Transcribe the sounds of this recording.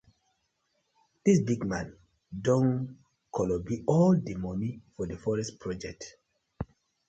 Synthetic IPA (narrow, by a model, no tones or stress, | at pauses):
d̥isbiɡmãn | dõn | kʰɔlɔbiʔɔldimɔnifɔdəfɔɹɛspʰɹɔd͡ʒɛk̚t